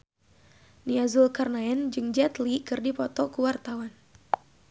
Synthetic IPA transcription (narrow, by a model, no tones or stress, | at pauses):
niazulkarnaɛnd͡ʒɨŋd͡ʒɛt̪likɨrdipɔt̪ɔkuwart̪awan